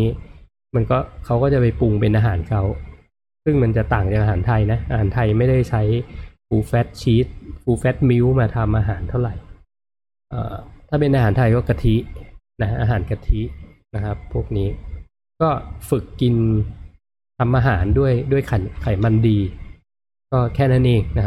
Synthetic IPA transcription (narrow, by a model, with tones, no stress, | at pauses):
iː˦˥ | ma˧nkɔː˥˩kʰa˦˥wkɔː˥˩t͡ɕa˨˩pa˧jpu˧ŋpe˧nʔaː˧ɦaː˩˦nkʰa˦˥w | sɯ˥˩ŋma˧nt͡ɕa˨˩t̪aː˨˩ŋt͡ɕa˨˩k̚ʔaː˧ɦaː˩˦nt̪ʰa˧jna˦˥ʔaː˧haː˩˦nt̪ʰa˧jma˥˩jda˥˩jt͡ɕʰa˦˥jpʰuː˧fɛ˦˥t̪̚t͡ɕʰiː˦˥t̪̚pʰuː˧˩fɛː˦˥t̪̚mi˦˥wmaː˧t̪ʰa˧mʔaː˧ɦaː˩˦nt̪ʰa˥˩wɾa˨˩j | ʔa̰ː˨˩t̪ʰaː˥˩pe˧nʔaː˧aː˩˦nt̪ʰa˧jkɔː˥˩ka˧t̪ʰi˦˥ | na˦˥ʔaː˧ɦaː˩˦nka˧t̪ʰi˦˥ | na˦˥kʰa˦˥pʰːu˥˩ək̚niː˦˥ | kɔː˥˩fɯ˨˩kːi˧n | t̪ʰa˧mʔaː˧ɦaː˩˦ndu˥˩əjdu˥˩əjkʰa˨˩˦jkʰa˨˩˦jma˧ndiː˧ | kɔː˥˩kʰɛː˥˩naː˥˩nʔeː˧ŋna˦˥kʰa˥